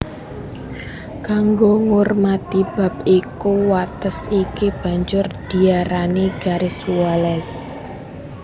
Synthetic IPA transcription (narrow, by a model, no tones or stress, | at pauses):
kaŋɡoŋormat̪ib̥a̤p̚ikuwat̪əsikib̥a̤ɲd͡ʒʊrd̪̥i̤aɾaneɡ̥aɾesualɛs